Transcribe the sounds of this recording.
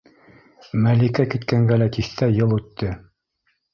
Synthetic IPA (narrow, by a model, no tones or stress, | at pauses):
mælikækit̪kæŋɡælæt̪iθt̪æjɤlˠʉt̪ːɘ